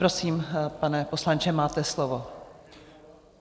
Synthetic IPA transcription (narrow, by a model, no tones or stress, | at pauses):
ɾosiːmpanɛpo̞slant͡ʃɛmaːt̪ɛslovo